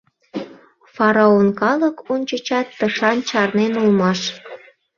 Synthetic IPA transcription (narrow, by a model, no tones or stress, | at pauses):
fɑɾɑonkɑləkonʲt͡ɕət͡ɕɑt̪ːəʃɑnt͡ɕɑrnenulmɑʃ